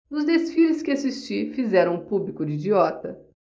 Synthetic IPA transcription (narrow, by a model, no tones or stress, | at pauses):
nʊzd̪esfilɪskɪasist͡ʃiɾfizɛɾɐ̃w̃ũpublikʊd͡ʒid͡ʒiɔt̪ɐ